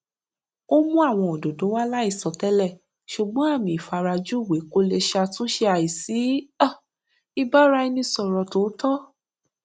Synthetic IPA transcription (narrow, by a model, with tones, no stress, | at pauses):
o˦mũ˦a˦˨w̃ɔ̃˧o˨do˨dõ˨˦wa˦la˦i˦˨sɔ˨tɛ˦lɛ˦˨ | ʃu˨ɡ͡bɔ̃˨˦a˦˨mĩ˧˨i˨fa˧ɾa˧d͡ʒu˦˨we˨˦ko˧le˧ʃa˧tũ˦ʃe˧a˨ji˨si˨˦a˦˨ | i˧ba˦ɾa˧i˧nĩ˧sɔ˨ɾɔ˨to˨˦tɔ˦